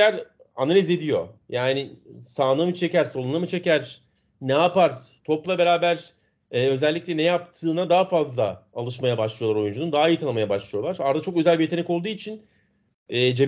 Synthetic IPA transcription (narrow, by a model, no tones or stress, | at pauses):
æɾ | analʲize̞d̪ijo̞̰jaːnɪsaːnamɯt͡ʃʰe̞cæɾso̞lˠunˠamɯt͡ʃʰe̞cæɾ̥ | nɛapaɾ | t̪ʰo̞plˠabe̞ɾaːbæɾ̥ | ɛø̞zɛlʲːicʲlʲɛnejap̚t̪ʰɯːnad̪aɦafazlˠaalˠɯʃmajabaʃlˠɯj̪ˠaɾo̞jund͡ʒunund̪aɦaijɯt̪anˠamajabaʃlˠɯjo̞lˠaɾaɾd̪at͡ʃʰo̞kø̞zælʲbijet̪ʰenɛko̞lˠd̪uːit͡ʃʰin | ɛːd͡ʒe